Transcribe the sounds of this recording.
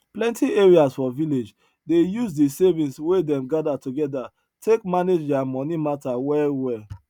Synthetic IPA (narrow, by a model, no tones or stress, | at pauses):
plɛ̃ntʰieɹiasfɔviled͡ʒ | dejuzdisevĩnswedɛ̃mɡadatuɡɛda | tʰekmaned͡ʒdɛamɔnimatawɛwɛ